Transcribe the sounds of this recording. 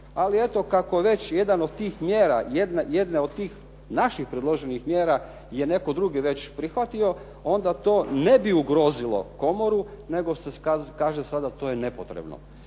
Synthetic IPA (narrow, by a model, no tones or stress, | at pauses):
alie̞t̪o̞kako̞ʋe̞t͡ɕje̞d̪anod̪̚t̪iːxmjeːɾajed̪neje̞d̪neo̞d̪̚t̪iːx | naʃixpɾed̪lˠoʒenixmjeːɾa | jene̞ko̞d̪ɾuɡiʋe̞t͡ɕpɾixʋat̪io̞ | o̞nd̪at̪o̞ːne̞biuɡɾo̞zilo̞̰ko̞moɾune̞ɡosekakaːʒesad̪at̪o̞ːjene̞pot̪ɾebno̰